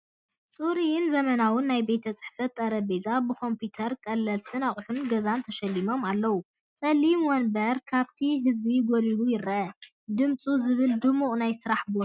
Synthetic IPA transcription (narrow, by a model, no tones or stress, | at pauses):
sʼuɾijɪnzɐmɐnawɨnːajbe̞t̪ʰɐt͡sʼɨ̥ħfɐt̪ʼːɐɾɐbezabɨkʰo̞mput̪ʰɐɾkʼɐlːɐlt̪ʰɨnaχʼħunɡɐzant̪ʰɐʃɐlːimo̞malːɐwu | t͡sʼɐlimwɔnbɐɾkʰaβt̪ʰiɦɨzbiɡoliɾujɪɾɐʔɐ | d̪ɨmt͡sʼuzɨβɨld̪ɨmuʔʼnajsɨɾaħbo